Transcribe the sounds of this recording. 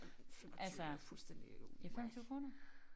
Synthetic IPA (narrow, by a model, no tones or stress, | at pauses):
ʔælsəfulsd̥end̥ieifem̰t͡sʰiʊ̰kʰʁoːnɐ